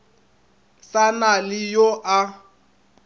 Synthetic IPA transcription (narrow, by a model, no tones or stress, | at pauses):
sanalɪjoʔa